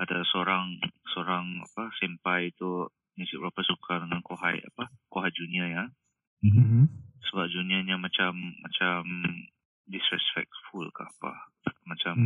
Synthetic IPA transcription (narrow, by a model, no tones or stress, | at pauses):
at̪alasoɾaŋsoɾaŋa̰pasɛmpajt̪u | misiʔbɾapəsukʰadəŋankoɦa̰ja̰pakoɦajd͡ʒuniaɲa | m | səbap̚d͡ʒuniaɲamat͡ʃamːa̰t͡ʃam | disɾɛspɛ̰k̚tfulka̰hapa̰ | mat͡ʃam